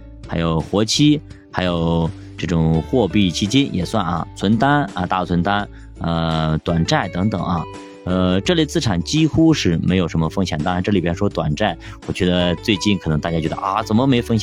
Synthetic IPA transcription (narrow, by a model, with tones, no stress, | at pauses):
xa˧˥ɪjo˨˩ʊxwɔ˧˥t͡ɕʰi˥ | xa˧˥jo˨˩ʊ | ʈ͡ʂɤ˥˩ʈ͡ʂʊ˨˩ŋxwɔ˥˧pi˥˩t͡ɕʰi˧˥t͡ɕjɛ˥njʔɛ̰˨˩swa˥˩nɐ̰˩t͡sʰwə˧˥nt̪a˥nɐ˧t̪a˥˩t͡sʰwə˧˥nt̪a˥n | ə˧t̪wa˨˩nʈ͡ʂa˥˩ɪt̪ɤ˧˥ŋt̪ɤ˨˩˦ŋɐ̰˧ | ə˥˧ʈ͡ʂɤ˥˧lt͡sɹ̩˥˩ʈ͡ʂʰa˨˩nt͡ɕi˥xu˥ʂɻ̩˥˩me˧˥ɪjo˨˩ʊʂə˧˥nmə˧fɤ˥ŋɕjɛ˨˩nt̪ɑ˥˧ʈ͡ʂɤ˥˩li˨˩jɛ˥nʂwɔ˥t̪wa̰˨˩nʈ͡ʂa˥˩ɪ | wɔ˨˩t͡ɕɥɛ˧˥d̪ə˧t͡swe˥˧ɪt͡ɕi˥˩nkʰɤ˨˩n˧˥ŋt̪a˥˩t͡ɕja˥t͡ɕjɥɛ˧˥ə̰˧ʔt͡sə˨˩mə˧me˧˥ɪ˧fɤ˥ŋɕjɛ˨˩˦n